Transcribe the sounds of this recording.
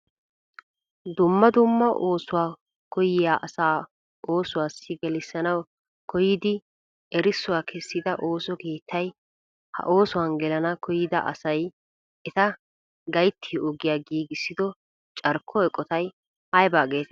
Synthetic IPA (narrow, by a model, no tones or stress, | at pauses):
d̪ʊmːɐd̪ʊmːɐʔo̞ːsʊwaː | kɔjɪjaːʔɐsaː | ʔo̞ːsʊwaːsːɪɡɛlɪsːɐnɐw | kʰɔjɪd̪ɪ | ɛɾɪsːʊwaːkʰɛsːɪd̪ɐʔo̞ːsɔke̞ːt̪ʰːɐj | hɐ̰ʔo̞ːsʊwaːnɡɛlɐnɐkʰɔjɪd̪ɐ̰ʔɐ̰sɐj | ɛt̪ɐ | ɡɐjt̪ʰːɪʔʊɡɪjaːɡiːɡɪsːɪd̪ɔ | t͡ʃʼɐɾkʰːɔɛkʼːɔt̪ɐj | hɐjbaːɡe̞ːt̪